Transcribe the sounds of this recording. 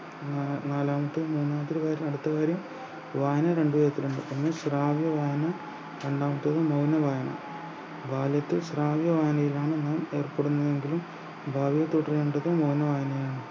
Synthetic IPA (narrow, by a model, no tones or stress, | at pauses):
naːlaːmɐt̪ːɨmuːnːaːmɐt̪ːiɾɨʋaːɾjɐmɐɽut̪ːɐʋaːɾjɐm | ʋaːjɐnɐɾe̞ɳɖɨʋɐɾɐt̪ːiluɳɖɨenːɨsraːʋjɐʋaːjnɐ | ɾe̞ɳɖaːmɐt̪ːuɐðɨmɐwnɐʋaːjɐnɐ̰ | bʱaːljɐt̪ːɨsraːʋjɐʋaːjɐnɐjilaːɳɨnaːme̞ːrpeɽunːɐðe̞ŋɡilum | bʱaːʋijɐt̪uʈːɐrjeɳɖɐðoːmɐwnːɐʋaːjɐnɐjaːɳɨ